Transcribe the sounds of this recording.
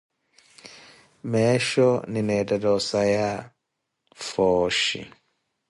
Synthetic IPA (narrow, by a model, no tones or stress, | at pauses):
mɛʃɔninɛtadɔsaja | fɔʃḭ